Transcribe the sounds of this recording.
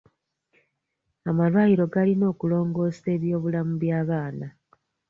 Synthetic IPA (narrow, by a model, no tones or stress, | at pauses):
amalwaːjiɾo̞ɡalino̞ːkulo̞ːŋɡo̞ːse̞ːβjo̞ːβulamuβjaːβaːna